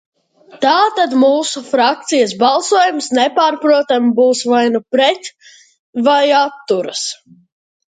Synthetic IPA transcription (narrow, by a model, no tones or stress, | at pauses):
t̪aːt̪ad̪muːsufɾak̚t̪sijɐs̬balˠsuɔjumsnɛpaːɾpɾuɔt̪ambuːsvajnupɾɛt̪ | vajat̪ːuɾɐs